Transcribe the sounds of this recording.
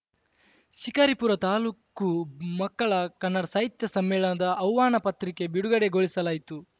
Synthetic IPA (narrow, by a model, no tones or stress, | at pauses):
ʃikɐːɾipuɾɐt̪aːluːkːumɐkːɐɭɐkɐnːɐɽɐsaːɦit̪jɐsɐmːɛːɭɐnɐd̪ɐʔːwʋaːɳɐpɐt̪ɾike̞biɽuɡɐɽeɡoɭisɐlaːjit̪u